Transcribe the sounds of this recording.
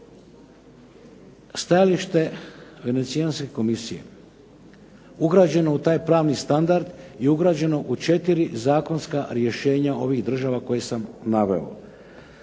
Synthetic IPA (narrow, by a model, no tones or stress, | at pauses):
st̪ajaliʃt̪e̞ʋe̞ne̞t̪sianske̞ko̞misije̞̰ | uɡɾaːd͡ʑe̞no̞ut̪aːjpɾaːʋnist̪and̪aɾd̪jeuɡɾaːd͡ʑe̞no̞ʔut͡ʃe̞t̪iɾizaːko̞nskaɾje̞ʃe̞ːɲao̞ʋiɣd̪r̩ʒaːʋako̞jesamnaʋe̞̰o̰